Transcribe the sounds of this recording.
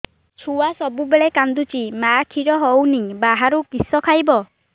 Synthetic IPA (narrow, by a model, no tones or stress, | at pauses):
t͡ʃʰuasɔbubeɭekand̪ut͡ʃimakʰiɾɔɦɔwnibaɦaɾukisɔkʰajbɔ